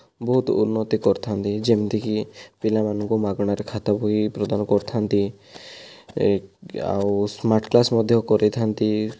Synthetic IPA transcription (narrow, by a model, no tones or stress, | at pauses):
bɔɦut̪ṵnːɔt̪ikɔɾt̪ʰant̪id͡ʒemt̪ikipilamanɔ̃ŋkɔmaɡɽ̃aɾekʰat̪abʱoipɾɔd̪anɔkɔɾt̪ʰant̪i | a̰wusmaɾʈklasmɔd̪ʱjɔkɔɾet̪ʰant̪i